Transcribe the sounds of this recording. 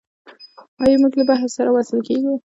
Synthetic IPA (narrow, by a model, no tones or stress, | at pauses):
ɑjɑmuɡləbaɦssaɾawasəlkeɡi